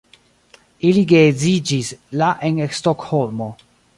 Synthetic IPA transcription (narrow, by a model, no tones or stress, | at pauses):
iliɡezid͡ʒislaʔenestokholmo